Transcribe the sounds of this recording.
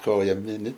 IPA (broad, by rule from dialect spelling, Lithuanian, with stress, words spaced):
ˈkoːjɛ ˈmʲɪnʲɪ